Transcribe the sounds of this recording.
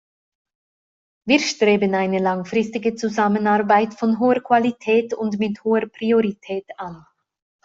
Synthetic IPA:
viːɐʃtʁ̥eːbənaɪnəlaŋfʁɪstɪɡət͡suzamənaɐbaɪtfɔnɦoːəkv̥alitʰɛːtʊndmɪthoːəpʁ̥ioʁitʰɛːtan

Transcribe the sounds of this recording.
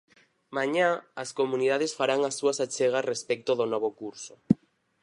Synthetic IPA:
mãɲaːskomuniðað̞esfaɾaŋasːuɐsat͡ʃeɣ̞arespɛk̚t̪oðonɔβ̞okuɾso

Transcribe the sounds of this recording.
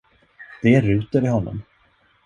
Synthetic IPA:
d̪̥ɛæɾʉ̟ːt̪əɾɪɦɔnːɔ̰m

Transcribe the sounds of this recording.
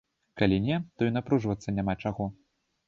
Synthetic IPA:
kalʲinʲɛt̪ɔinapɾuʐvɐt̪sːɐnʲamat͡ʂaɣɔ

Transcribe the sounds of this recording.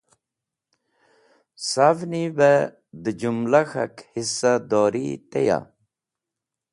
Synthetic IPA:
savnibe | d̪əd͡ʑumlaxa̰khisːad̪ɔːɾit̪eja̰

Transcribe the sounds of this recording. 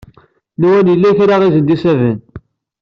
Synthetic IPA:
nuwænjəlːæçɾaʁizənd̪isævən

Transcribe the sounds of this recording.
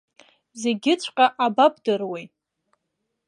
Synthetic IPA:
ze̞ɡʲɪt͡ɕʷʰʼqʼaʔabapʼdɨrwej

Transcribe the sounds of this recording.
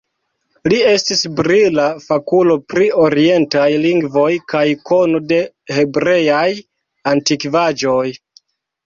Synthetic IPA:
lie̞stisbɾilafakulo̞pɾio̞ɾie̞ntajliŋɡvo̞jkajko̞no̞de̞ | he̞bɾe̞jaj | antikvad͡ʒo̞j

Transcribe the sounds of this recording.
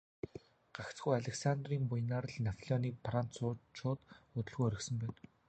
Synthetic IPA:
ɢ̥akt͡sɡujaɮʲeksant̪riːmpʊjnaːrɮnapʰɮʲɔniːpʰran̥t͡sʊːt͡ɕʰʊːt̪ʊt̪ɵ̆ɮɣujœɾʲɪ̆ksɵ̆mpæːn

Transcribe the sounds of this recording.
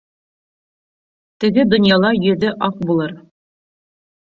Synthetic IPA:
t̪ɘ̆ɡɘd̪ŏnjɑlˠɑjɵ̆ðɘʔɑq̚bulˠɤɾ

